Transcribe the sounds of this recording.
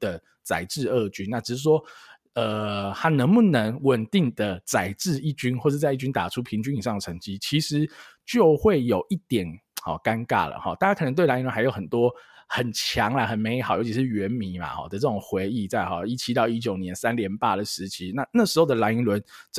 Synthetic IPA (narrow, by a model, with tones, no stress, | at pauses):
d̪̥ə˨ | t͡sa˨˩ɪʈ͡ʂɻ̩˥˧ə˥˩t͡ɕy˥nna˥˩ʈ͡ʂ̩˨˩ɻ̩˥˩ʂwɔ˦˥ | ə˧ha˥nə˧˥ŋmu˨˧nə˧˦ŋwə˨˩nt̪i˥˩ŋd̪ə˩t͡sa˨˩ɪʈ͡ʂɻ̩˥˧i˥˩t͡ɕy˥nxwɔ˥˧ʂ̩˥˧t͡sa˥˧ɪi˥˩t͡ɕy˥nt̪a˨˩ʈ͡ʂʰu˦˥pʰi˧˥ŋt͡ɕy˥ni˨˩ʂ̬ɑ˥˩ŋd̪ə˩ʈ͡ʂʰə˧˥˦ŋt͡ɕi˥t͡ɕʰi˧˥ʂɻ̩˧˦t͡ɕjo˥˧ʊxwe˥˩ɪjo˨˩ʊʔi˥˩t̪jɛ˨˩nhɔ̰˨˩ka˦nka̰˥˩lə̰˨˩xɔ̰˨˩t̪a˥˩a˥kʰə˨˩ə˧ŋt̪wɪla˧˥i˥nlwn˥a˧˥ɪjo˧˥ʊxʰə˨˩nt̪wɔ˦˥xə˨˩nt͡ɕʰjɑ˧˥ŋla˧˩xə˨˩nme˧˥ɪxjo˧˥ʊt͡ɕʰi˧˥ʂɻ̩˥˩ɥɛ˧˥nmi˧˥nma̰˨xɔ̰˥˩d̪ə˦ʈ͡ʂɤ˥˩ʊ˨˩ŋxwe˧˥ɪi˥˧t͡sa˥˩ɪxɔ˨˩i˥t͡ɕʰi˥t̪ɑ˥˧ʊi˦˥t͡ɕjo˨˩ʊnjɛ˧˥nsa˥˦nljɛ˧˥npa˥˩d̪ə˩ʂɻ̩˧˦t͡ɕʰi˧˥na˥˧na˥˩ʂɻ̩˧˥xo˥˩ʊd̪ə˨˩la˧˥ni˧˥nlwə˧˦n